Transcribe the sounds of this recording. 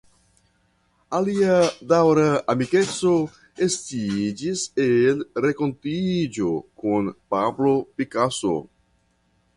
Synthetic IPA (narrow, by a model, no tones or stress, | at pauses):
aliadawɾaamike̞t͡so̞ | e̞stid͡ʒiselɾe̞ko̞ntid͡ʒo̞kunpablo̞pikaso̞̰